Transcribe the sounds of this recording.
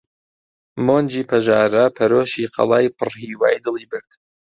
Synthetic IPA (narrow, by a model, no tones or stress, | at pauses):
moːnd͡ʒiːpʰɐʒaːɾɐpʰɐɾoːʃiːqʰɑ̰lˠɑːjpʰɨrhiːwa̰ːjd̪ɨlˠiːbɨɾd̪̥